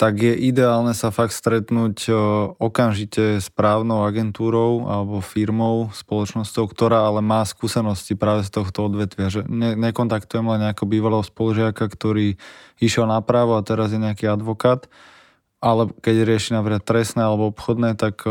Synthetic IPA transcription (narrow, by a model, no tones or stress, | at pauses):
t̪aɡjɛʔid̪ɛaːlnɛsafakt̪st̪ɾɛt̪nuːcɔkamʒicɛspɾaːʊnɔʊaɡɛnt̪uːɾɔʊa̰lɛbɔfiɾmɔʊspɔlɔt͡ʃnɔscɔʊkt̪ɔɾaːalɛmaːskuːsɛnɔscipɾaːʋɛs̬t̪ɔxt̪ɔɔd̪ʋɛt̪ʋɪaʒɛɲɛɲɛkɔnt̪akt̪ujɛmlɛɲɲɛakɛɦɔbiːʋalɛɦɔspɔluʒɪakakt̪ɔɾiːiʃjɛlnapɾaːʋɔat̪ɛɾazjɛɲɛakiːad̪ʋɔkaːt̪ | ʔalɛkɛɟɾɪɛʃinapɾikat̪ːɾɛsnɛːalɛbɔɔpxɔd̪nɛːt̪ak